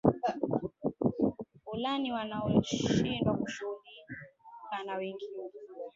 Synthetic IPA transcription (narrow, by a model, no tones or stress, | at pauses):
ulaniwanaɔʃindwakuʃuulikanawɛŋɡinɛ